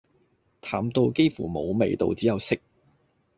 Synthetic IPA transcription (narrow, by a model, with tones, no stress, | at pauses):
t̪ʰaː˨˩mt̪o˧wke˥jfṵː˨˩mo˨˧wme˨jt̪o̰˧wt͡siː˨˥jɐ˨˧wsɪ˥k̚